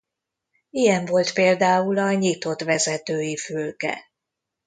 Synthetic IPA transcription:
ijɛɱvo̞lt̪peːld̪aːulɒɲit̪o̞t̪ʋɛzɛt̪øːjifylkɛ̰

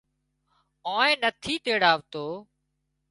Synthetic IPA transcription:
ãːẽːnət̪ʰiːt̪eːɽaːʋt̪oː

